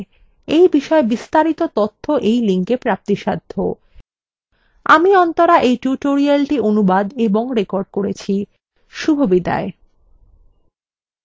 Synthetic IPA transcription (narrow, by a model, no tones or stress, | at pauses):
ejbiʃɔebist̪aɾit̪ot̪ot̪ʰːoʔejliŋkepɾap̚t̪iʃad̪ʱːo̰ | a̰miɔnt̪oɾaʔejʈjuʈoɾialʈionubad̪eboŋɾekoɾɖ̚koɾet͡ɕʰi | ʃubʱobid̪a̰e